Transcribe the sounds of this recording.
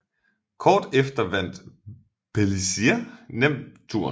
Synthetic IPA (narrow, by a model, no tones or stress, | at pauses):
kʰɒːd̥efd̥ɐʋæn̰d̥ | pʰelisienem̰d̥t͡sʰuɐ̰